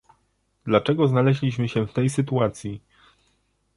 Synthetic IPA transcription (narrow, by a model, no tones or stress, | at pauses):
d̪lat͡ʂɛɡɔznalɛʑlʲiɕmɘɕɛft̪ɛjsɘt̪uat̪sʲji